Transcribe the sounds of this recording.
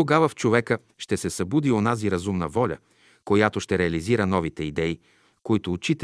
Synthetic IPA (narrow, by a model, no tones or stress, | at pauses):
oɡavəft͡ʃovɛkə | ʃt̪ɛsɛsɐbud̪ionaziɾɐzumnəvɔlʲə̰ | kojat̪oʃt̪ɛɾɛɐliziɾənɔvit̪ɛid̪ɛi | koit̪oːt͡ʃit̪